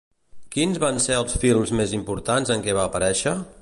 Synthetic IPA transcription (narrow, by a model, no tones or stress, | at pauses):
kinzβanseəlˠsfilˠmzmezimpuɾt̪anzəŋkɛβ̞aːpəɾɛʃə